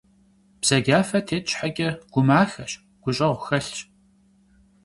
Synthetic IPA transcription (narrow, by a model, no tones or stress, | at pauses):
b̥z̥ɐɡʲaːfɐtʰeːtt͡ʃʼħaɡʲʼɪɡ̥ʷʊmaːxɐɕ | ɡ̥ʷʊɕʼɐʁʷʊxɐɬt͡ʃʼ